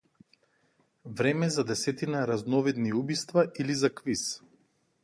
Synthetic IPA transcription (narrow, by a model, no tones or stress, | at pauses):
vɾɛmɛzad̪ɛsɛt̪inaɾaznɔvɛd̪niubist̪vailizakvis